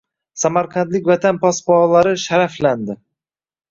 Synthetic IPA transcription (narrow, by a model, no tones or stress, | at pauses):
samaɾqʰɑnd̪lɪk̚ʲvat̪ʰanpʰɒspɒlaɾɪʃaɾafland̪ɪ